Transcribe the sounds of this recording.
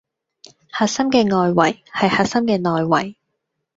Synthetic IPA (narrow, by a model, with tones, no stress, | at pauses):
haː˨k̚sɐ˥mkɛː˧ŋɔː˨jwɐ˨˩jhɐ˨jhaː˧k̚sɐ˥mkɛː˧nɔː˨jwɐ˨˩j